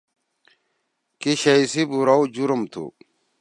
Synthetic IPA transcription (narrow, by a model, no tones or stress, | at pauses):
kiɕɐisibuɾaud͡ʑuɾumt̪ʰṵ